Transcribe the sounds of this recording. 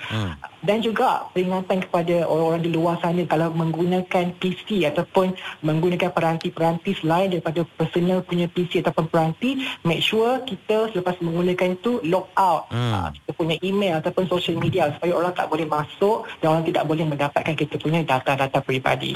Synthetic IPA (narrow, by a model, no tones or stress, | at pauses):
dand͡ʒuɡaʔpəɾiŋat̪ankə̥padaoɾaoɾaŋdiluarsanəkalawmə̃ŋɡunãkanpisiat̪awpʊnmə̃ŋɡunakanpəɾant̪ipəɾant̪isəlaɪndaɾipadapərsonə̃lpuɲãpisiat̪awpʊnpəɾant̪imɛk̚ʃuərkit̪əsələpasmə̃ŋɡunãkant̪ulɔk̚awt̪̚ə̰ki̥t̪əpuɲãʔimelat̪awpʊnsoʃəlmidiasu̥pajaoɾaŋt̪a̰ʔbolɛhmãsʊʔdanoɾaŋt̪ida̰ʔbolɛhmə̃ndapat̪̚kankit̪əpuɲãdat̪adat̪apɾiba̰dḭ